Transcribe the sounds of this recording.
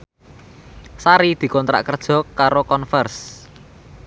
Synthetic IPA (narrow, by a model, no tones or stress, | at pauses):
saɾid̪̥i̤kɔnt̪ɾa̰ʔkərd̥ʒ̥ɔ̤kːaɾokɔnfɛrs